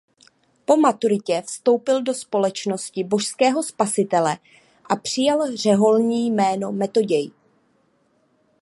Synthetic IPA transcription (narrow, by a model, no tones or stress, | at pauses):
po̞mat̪uɾɪcɛfst̪o̞wpɪldo̞spo̞lɛt͡ʃno̞scɪbo̞ʃskɛːɦo̞spasɪt̪ɛlɛ | ʔapr̝̥ɪjalr̝ɛɦo̞lɲiːjmɛːno̞mɛt̪o̞ɟɛj